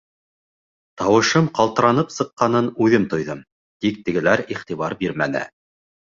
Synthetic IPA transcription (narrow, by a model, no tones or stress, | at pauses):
t̪ɑwɤ̆ʃɤmqɑlˠt̪ɤ̆ɾɑnɤpsɤ̆qːɑnɤnʉðɘmt̪ŏjðɤm | t̪ik̚t̪ɘ̆ɡɘ̆læɾiχt̪iβɑɾbiɾmænɘ̰